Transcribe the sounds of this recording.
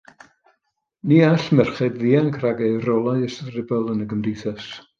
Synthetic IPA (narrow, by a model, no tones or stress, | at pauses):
niːaɬmɛrχɛdðiankʰraɡɛɨrɔlˠaɨəsrɪbɛlˠənəɡəmdijθɛs